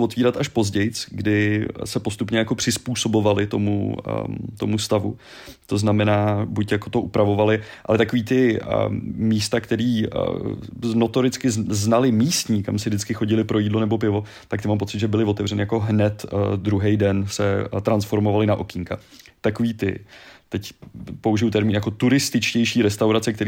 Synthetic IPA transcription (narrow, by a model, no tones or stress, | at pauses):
vo̞t̪viːɾat̪aʃpo̞zɟɛjt͡sɡdɪsɛpost̪upɲɛjako̞pr̝̥ɪspuːso̞bo̞valɪt̪o̞̰mṵ | t̪o̞must̪avu | t̪o̞znamɛnaːbucjakot̪o̞ʔupɾavo̞valɪʔa̰lɛt̪ako̞viːt̪ɪ | miːst̪akt̪ɛɾiː | no̞t̪o̞ɾɪt͡skɪzznalɪmiːst̪ɲikamsɪvdɪt͡skɪxo̞ɟɪlɪpɾʔo̞jiːdlo̞nɛbo̞pɪvo̞ | t̪ak̚t̪ɪmaːmpo̞t͡sɪt̪ʒɛbɪlɪvo̞t̪ɛvrɛnɪjako̞ɦnɛt̪d̪ɾuɦɛjdɛnsɛt̪ɾansfo̞ɾmovalɪnaʔokɪŋkat̪akoviːt̪ɪ̰t̪ɛcpo̞uʒɪjut̪ɛɾmiːnjako̞t̪uɾɪst̪ɪt͡ʃcɛjʃiːɾɛst̪awɾat͡sɛk̚t̪ɛɾi